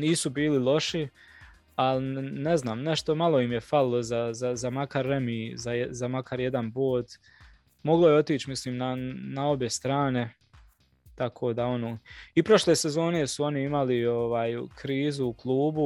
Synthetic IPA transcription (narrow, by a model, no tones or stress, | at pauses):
niːsubiːlilˠo̞ʃi | alneznaːmne̞ʃt̪o̞malˠo̞imje̞falilˠo̞zazazamakaɾːemizazamakʰaɾjed̪anboːd̪ | mo̞ɡlo̞jeo̞t̪iːt͡ʃmisliːmnanao̞bje̞st̪ɾaːne̞ | t̪akʰoːd̪ao̞noːipɾo̞ʃle̞ːse̞zo̞ːne̞suo̞niimalio̞ʋaːjkɾiːzuːklˠuːbu